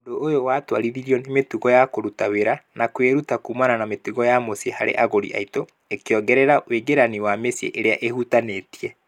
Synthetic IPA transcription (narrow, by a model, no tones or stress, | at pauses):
doːjowaːtwa̰ɾiðiɾiɔnemetuɣɔjakoɾutaweɾanakweɾutakuːmananametuɣɔjamosiehaɾḛʔaɣoɾḭʔa̰ito | ekeɔɡɛɾɛɾaweɡeɾaniwamesiḛʔeɾea̰ʔehutanetiɛ